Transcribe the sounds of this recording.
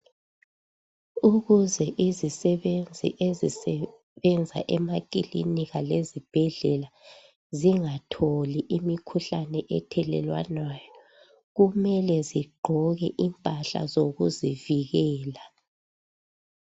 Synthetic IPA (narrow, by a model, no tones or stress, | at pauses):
uɣuzɛʔizisɛβend͡zʱḭʔezisɛ | βɛnd͡zʱa̰ʔɛmakʼilḭniɣalezib̥ʱɛɮɛla | ziŋatʰoliʔimikʰuɬanɛʔɛ̰tʰɛlɛ̰lwa̰nwaːjɔ | ɣumɛlɛziɡ͡ǃʱɔɣɛʔimpʼaɬa̰zoɣuziviɣɛːla